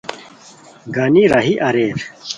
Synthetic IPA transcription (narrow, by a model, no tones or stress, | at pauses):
ɡaniɾɐɦiʔɐɾeːɾ